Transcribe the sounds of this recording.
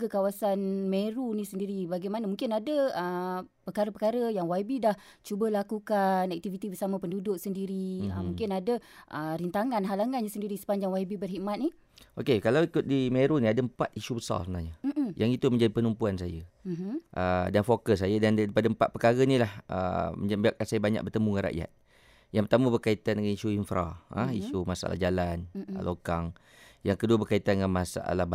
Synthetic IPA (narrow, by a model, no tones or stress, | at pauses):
ɡəkawasanmeɾunĩsəndiɾibaɡajmanamũŋkɪnadəəpəkaɾəpəkaɾəjaŋwaibidah | t͡ʃubəlakukanɛk̚t̪ivit̪ibəsamapəndudʊʔ̚səndiɾiə̰mũŋkɪnadəʔəɾint̪aŋanɦalaŋanɲasəndiɾisə̥paɲd͡ʒaŋwaibibərɦiʔmat̪̚ni | okekalawikʊt̪̚dimeɾunĩadəəmpa̰t̪iʃubəsa̰rsəbəna̰ɲajaŋit̪uməɲd͡ʒadipənumpuans̬ajə | ʔədanfokəs̬ːajədandaipadaəmpat̪̚pəkaɣənilahʔə̰mbiaʔkansajəbaɲa̰k̚bərt̪əmuŋanɾa̰ʔja̰t̪̚ | jaŋmpərt̪aməbərkait̪andəŋaniʃuinfɾa̰ə̰̃iʃumasa̰ʔa̰la̰hd͡ʒalana̰lʔokaŋ | jaŋkəduəbərkait̪andəŋanmasa̰ʔa̰lah